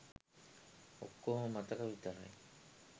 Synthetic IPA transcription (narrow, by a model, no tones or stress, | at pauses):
o̰kːoɦomat̪akabit̪aɾa̰j